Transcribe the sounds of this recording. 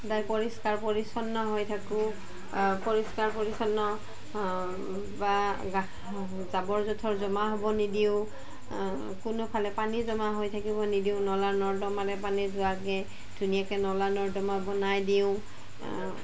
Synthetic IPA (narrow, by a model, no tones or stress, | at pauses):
dajpɔɹiskaɹpɔɹisɔnːɔɦojtʰakʊ̃ | pɔɹiskaɹpɔɹisɔnːɔ | baɡa | zabɔɹzɔtʰɔɹzɔmaɦɔbɔnidiʊ̃ | kʊnʊpʰalɛpanizɔmaɦojtʰakibɔnidiʊ̃nɔlaɹnɔɹdɔmalɛpanizʊakɛ | dʱunijakɛnɔlanɔɹdɔmabɔnajdiʊ̃